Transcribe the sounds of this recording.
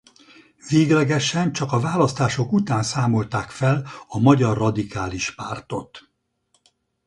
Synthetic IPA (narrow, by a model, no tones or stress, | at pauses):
veːɡlɛɡɛʃɛnt͡ʃɒkɒvaːlɒst̪aːʃo̞kut̪aːnsaːmo̞lt̪aːkfɛlɒmɒɟɒrːɒd̪ikaːliʃpaːrt̪o̞t̪